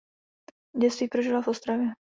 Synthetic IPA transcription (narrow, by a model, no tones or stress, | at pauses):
ɟɛst̪viːpɾoʒilavost̪ɾavjɛ